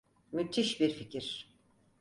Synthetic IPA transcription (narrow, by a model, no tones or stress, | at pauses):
myt̪ʰiʃbiɾficʰiɾ̥